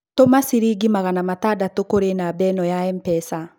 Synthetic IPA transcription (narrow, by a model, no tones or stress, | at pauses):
tomasiɾiɡimaɣanamatadatokoɾenabɛnɔjaɛmpɛsa